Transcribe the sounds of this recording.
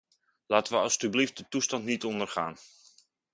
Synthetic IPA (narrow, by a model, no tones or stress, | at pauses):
laːtəʋəɑlˠstyblift̚dətustɑntnitɔndərχa̰ːn